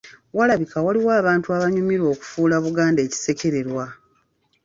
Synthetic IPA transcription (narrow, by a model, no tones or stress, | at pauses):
walaβikawaliwaːβaːntuaβaɲumiɾo̞ːku̥fuːlaβuɡaːnde̞ːci̥se̞ce̞ɾe̞ɾwa